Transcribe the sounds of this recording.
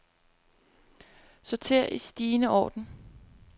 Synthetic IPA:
sɒt͡sʰe̝ɐ̰ʔisd̥iːnəɒ̰ːd̥n̩

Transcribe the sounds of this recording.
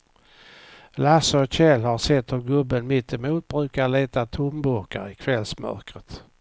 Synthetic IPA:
lasɔçɛlhaɾsɛt̪ːhɵɾɡɵbːənmɪt̪ːɛmuːt̪̚bɾʉ̟ːkaɭeːt̪at̪ʰʊmbɵɾka̰ɾɪkʰvɛlsmœ̰ɾkɾət̪

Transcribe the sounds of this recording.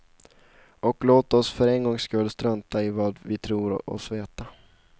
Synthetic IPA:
ɔkloːt̪ɔsfœɾɛnɡɔŋːskɵlːst̪ɾœnt̪aɪvɑːd̪vɪt̪ʰɾuːɾɔ̰sveːt̪a

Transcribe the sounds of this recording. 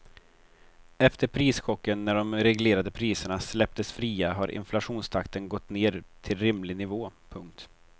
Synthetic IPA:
ɛft̪əɾpʰɾiːsɧɔkːənːæɖɔmɾɛɡleːɾad̪əpʰɾiːsəɳaslɛp̚t̪əsfɾiːaɦaɾʔɪ̰nflaɧuːnst̪ʰakt̪ənɡɔt̪ːneːɾt̪ʰɪlɾɪmlɪnɪvoːpʰɵŋk̚t̪

